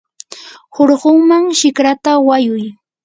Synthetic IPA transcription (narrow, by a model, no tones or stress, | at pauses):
hoɾɢoŋmaŋʃɪkɾat̪awajʊj